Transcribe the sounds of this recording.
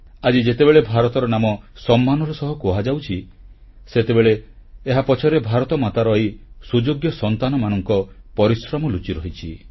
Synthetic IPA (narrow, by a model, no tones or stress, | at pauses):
ad͡ʒid͡ʒet̪ebeɭebʱaɾɔt̪ɔɾɔnamɔsɔmːanɔɾɔsɔɦɔkoɦad͡ʒawt͡ʃʰi | set̪ebeɭeːɦapɔt͡ʃʰɔɾebʱaɾɔt̪ɔmat̪aɾɔisud͡ʒoɡjɔsɔnt̪anɔmanɔŋkɔpɔɾisɾɔmɔlut͡ʃiɾɔɦit͡ʃʰi